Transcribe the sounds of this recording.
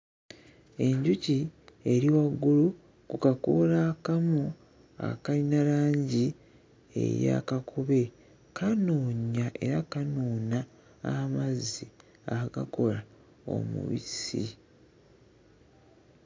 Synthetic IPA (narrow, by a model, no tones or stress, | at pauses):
e̞ɲɟucie̞ɾiwaɡːulu | kukakolakamo | a̰kalinalaːɲɟi | ḛja̰kakʰuβe̞ | kʰanoːɲaʔe̞ɾakanoːnaː | mazːi | aka̰ko̞la | o̰mṵβḭsḭ